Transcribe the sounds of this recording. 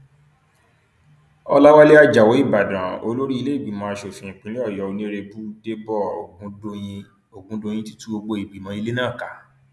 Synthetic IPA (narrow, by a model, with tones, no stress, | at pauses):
ɔ˧la˦wa˦le˦a˦d͡ʒa˨wo˨˦i˦˨ba˨dã˨o̰˧lo˦ɾi˦i˧le˦i˦˨bi˨mã˧a˧ʃo˨fĩ˧ĩ˨k͡pĩ˨˦li˦ɔ˦˨jɔ˨˦o˧nĩ˦˧ɾe˧bu˦de˦bɔ˦˨o˨ɡũ˨˦o˧jĩ˧ | o˨ɡũ˦dõ˧j̃ĩ˧˦ti̥˦tũ˦o˧ɡ͡bo˧i˨ɡ͡bi˨mã˨˧i˧le˦nãː˦˨ka˨˦